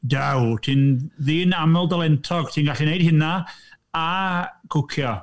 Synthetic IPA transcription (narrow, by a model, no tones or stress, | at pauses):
dawtʰinðiːnamɛlˠdalˠɛntʰɔɡ̥tʰiːnɡaɬinejdhɪna | akʰʊkʰjɔ